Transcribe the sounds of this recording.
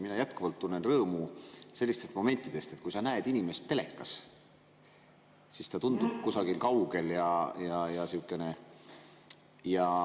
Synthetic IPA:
minɑjæt̪ˑkuvɑlt̪ːunːenrɤːmuse̞lːist̪e̞st̪mo̞me̞nʲt̪ːˑid̪̥e̞st̪e̞t̪̚kujsɑnæed̪̥inʲime̞st̪ːe̞le̞kːˑɑs | sist̪ɑt̪und̪̥ub̥kusɑɡ̥ilkɑwɡ̥e̞ljɑjɑjɑsiukːˑe̞ne̞ | jɑ

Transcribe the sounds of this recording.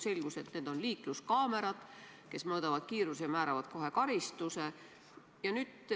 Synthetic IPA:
se̞lʲɡ̥use̞t̪ne̞ːd̪̥o̞nliːkluskɑːme̞ɾɑd̪̥ | ke̞smɤːd̪̥ɑvɑd̪̥̚kiːɾusejɑmæːɾɑvɑd̪̥ko̞ɦe̞kɑɾist̪use̞ | jɑnyːd̪̥

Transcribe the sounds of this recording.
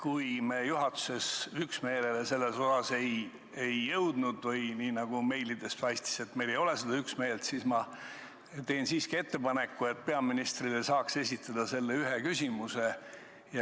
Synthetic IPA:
kujmeːjuɦɑt̪ːu̥se̞syksme̞ːlelese̞lːe̞so̞sɑse̞j | ejːɤ̞wd̪̥nud̪̥vɯjniːnɑɡ̥ume̞jlid̪e̞splɑjst̪i̥se̞t̪ːme̞jle̞jo̞le̞sed̪̥ɑyksme̞ːlt̪sismɑ | t̪e̞ːnsiːskie̞t̪ːe̞pɑne̞kːue̞t̪̚pe̞ɑminist̪rilesɑːkse̞sʲit̪ˑːɑd̪̥ɑse̞lːeyɦekysʲimuse | jɑ

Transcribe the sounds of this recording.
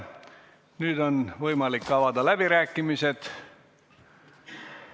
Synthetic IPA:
nyːd̪onʋojmɑlikːɑʋɑd̪ɑlæb̥iræːkːimiset̪

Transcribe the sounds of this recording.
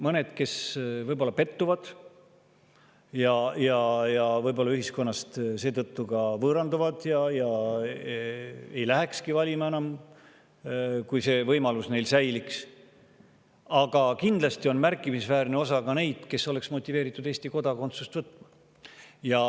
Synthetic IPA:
mɤne̞d̪̥ke̞svɤjbo̞lːɑpe̞t̪ːuvɑd̪̥ | jɑjɑjɑvɤjbo̞lːɑyɦisko̞nːɑst̪se̞ːt̪ɤt̪ːukɑvɤːɾɑnd̪uvɑd̪̥jɑjɑ | e̞jlæɦe̞kskivɑlʲimɑenɑm | kujse̞ːvɤjmɑlusne̞jlsæjliks | ɑɡ̥ɑkind̪̥lɑst̪io̞nmærkˑːimisvæːɾneo̞sɑkɑne̞jd̪̥ke̞sːo̞le̞ksmo̞t̪ʲːˑive̞ːɾit̪ːˑud̪̥e̞ːst̪iko̞d̪̥ɑko̞nt̪sust̪vɤt̪ːˑmɑ | jɑ

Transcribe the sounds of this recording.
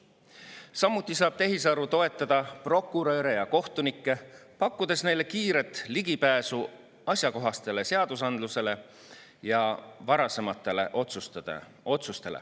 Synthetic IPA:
sɑmːut̪ːˑisɑːb̥̚t̪e̞ɦisɑɾut̪o̞e̞t̪ːˑɑd̪̥ɑpro̞kːˑuɾø̞ːɾejɑko̞ht̪unikˑːe̞pɑkːud̪̥e̞sne̞jle̞kiːɾe̞t̪ːˑliɡ̥ipæːsu | ɑsʲjɑko̞ɦɑst̪e̞le̞se̞ɑd̪̥usɑnd̪luse̞le̞ | jɑvɑɾɑsemɑt̪ːˑelḛʔot̪sust̪ɑ̥̰ | o̞t̪sust̪e̞lḛ

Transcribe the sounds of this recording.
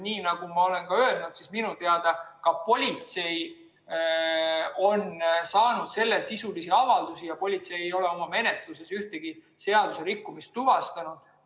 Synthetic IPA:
niːnɑɡ̥umɑo̞le̞nkɑø̞elnud̪̥sisminut̪eɑd̪ɑkɑpo̞lʲit̪se̞j | o̞nsɑːnud̪̥se̞lːesisulisiɑvɑld̪̥usijɑpo̞lʲit̪se̞jejo̞le̞o̞mɑme̞ne̞t̪luse̞syht̪eɡ̥i | se̞ɑd̪̥use̞ɾikːumist̪ːuvɑst̪ɑnud̪̥

